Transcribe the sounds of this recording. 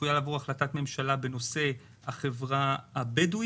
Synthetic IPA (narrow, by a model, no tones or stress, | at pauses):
ujalavuʁaχlatatme̞mʃalabe̞no̞se̞ | haχe̞vʁaabedu